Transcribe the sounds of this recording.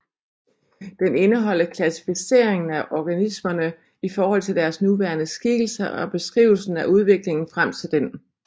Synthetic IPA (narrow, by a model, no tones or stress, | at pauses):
d̥ene̝nəɦɒ̽l̰əkʰlæsi̥fise̝̰ɐ̰e̝ŋn̩æʔɒɡ̥ænismɐnə | ifɒːɦɒ̽l̰t͡sʰe̝ld̥æɐsnuʋæːɐnəsɡ̥iɡ̥l̩sɐʔɒ̽b̥e̝sɡ̥ʁḭʊl̩sn̩æʔuð̞ˠʋe̝ɡ̥le̝ŋn̩fʁam̰t͡sʰe̝ld̥en